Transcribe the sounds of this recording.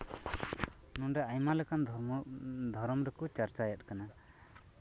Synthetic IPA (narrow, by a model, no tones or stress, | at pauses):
nunɖɛajmalɛkan | d̪ʱɔɾɔmɾɛkɔt͡ʃaɾt͡ʃajat̪̚ˀkana